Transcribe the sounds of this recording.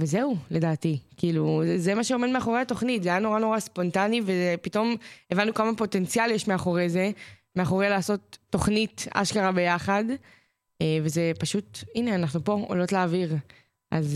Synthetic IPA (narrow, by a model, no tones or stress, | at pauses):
vezeule̞daːtikiːluzemaʃeomedmeaχo̞ʁeato̞χnitzeajano̞ʁano̞ʁaspo̞ntanivezepit̪o̞mevanːukamapo̞te̞nt͡sialjeʃmeaχo̞ʁeze̞me̞aχo̞ʁelaːso̞tːo̞χnita̰ʃkaʁabe̞jaχad | eve̞zepaʃutine̞anaχnupo̞o̰lo̞tlaːviʁ | ʔaz